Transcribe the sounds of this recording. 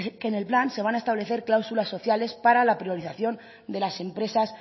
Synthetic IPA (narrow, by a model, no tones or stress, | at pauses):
ke̞ne̞lplanse̞β̞anaest̪aβle̞θe̞ɾklawsulasːo̞θjale̞spaɾalapɾio̞ɾiθaθjo̞n | d̪e̞lase̞mpɾe̞sas